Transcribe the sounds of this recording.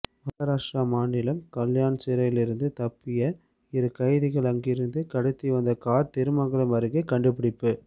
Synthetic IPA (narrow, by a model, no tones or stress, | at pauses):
ʋɐɣɐɾaːʂʈɾamaːɳɪlɐmkɐljaːnt͡ʃɛɾɐjɪlɪɾɯnd̪ɯt̪ɐpːɪjɐ | ɪɾɯkɐɪðɪɣɐɭɐŋɡɪɾɯnd̪ɯkɐɽɯt̪ːiʋɐnd̪ɐkaːɾt̪ɪɾɯmɐŋɡɐɭɐmɐɾɯɣekɐɳɖɯpɪɽɪpːɯ